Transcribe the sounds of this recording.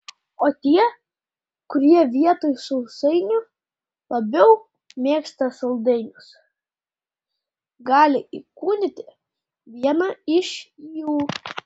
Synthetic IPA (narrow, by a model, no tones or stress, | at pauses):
oːt̪ʲiɛ | kʊɾʲiɛʋʲiɛt̪oːjsʊʊsɐɪnʲʊ | lˠɐbʲɛʊ | mʲeːkst̪ɐsɐlˠd̪ɐɪnʲʊs | ɡɑːlʲɪikuːnʲɪt̪ʲɪ | ʋʲiɛnɑɪʃijuː